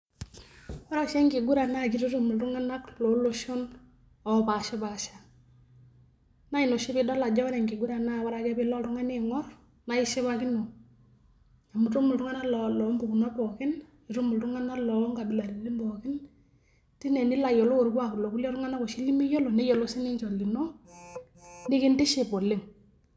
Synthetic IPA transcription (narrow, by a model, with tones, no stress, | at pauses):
wa˦ɾa˦ʃɛ˦ŋɡɪ˨ɡu˦ɾa˨na˦k̬i˦ɾi˦tu˦mu˨ltu˦ŋa˦na˦klo˨˦lo˦ʃo˦n | ɔ˨pa˨ʃɪ˦ba˨ʃa˨ | na˦i˨no˨ʃɪ˦pɪ˦dɔ˦la˨d͡ʒɔ˦wnɛ˨ŋɡe˨ɡu˦ɾa˨na˦˨wa˦ɾa˨kɛ˦bɪ˦lɔ˦tʊ˦ŋa˦nɪ˦ŋɔ˦r | na˦ɪ˦ʃe˦βa˦ki˦no˨ | a˨mu˨to˦mʊ˨ltu˦ŋa˦na˦lɔ˨lɔ˨˦mbu˨ku˨na˦pɔ˨kɪ˦n | i˨to˦mʊ˨ltʊ˦ŋa˦na˦lɔ˨˦ŋka˨bɪ˨la˨ɾi˨lɪ˦mbɔ˨kɪ˦n | ti˦nɛ˨nɪ˦la˨jɔ˨lo˦o˨ɾkwa˨klo˨ku˦lɛ˦ɾʊ˦ŋa˦na˦ko˨ʃi˦li˦mi˦jo˦lo˨nɛ˦jɔ˨lo˦sɪ˦nɪ˦nt͡ʃɔ˨lɡi˨no˦ | nɪ˦kɪ˦ndɪ˦ʃɪ˨po˨lɪ˦ŋ